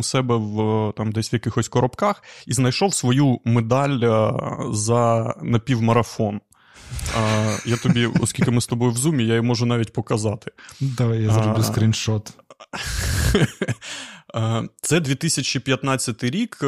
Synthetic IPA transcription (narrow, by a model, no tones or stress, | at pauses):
ʊsɛbɛwt̪ɑmd̪ɛsʲʋjɐkɪxɔsʲkɔɾɔpkɑxiznɐjʃɔwsʋɔjumed̪ɑlʲ | zɐnɐpʲiwmɐɾɐfɔn | jat̪ɔbʲiɔ̰skʲilʲkɪmɪst̪ɔbɔjʊwzumʲijajimɔʒʊnɑʋʲitʲpɔkɐzɑt̪ɪ̥d̪ajazɾbɪsk̪ɾʲinʃɔt̪ | t̪sɛd̪ʋʲit̪ɪsʲɐt͡ʃipʲjɐt̪nɑt͡sʲːɐt̪ɪɾʲik